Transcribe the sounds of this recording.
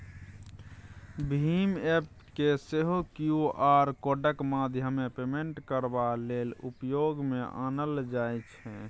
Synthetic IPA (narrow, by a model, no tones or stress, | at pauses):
bʱimep̚ | keseɦukjuaɾkoɖəkmad̪ʱjəmepemeɳʈkəɾbalelṵpjoɡmeʔa̰nəld͡ʒajt͡ʃʰɛ